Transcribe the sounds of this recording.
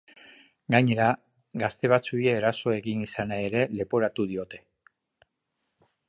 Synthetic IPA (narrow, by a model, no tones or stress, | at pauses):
ɡaɲe̞ɾa | ɡast̪e̞β̞at͡suieːɾaso̞e̞ɣinisanae̞ɾe̞le̞po̞ɾat̪uðio̞t̪e̞̥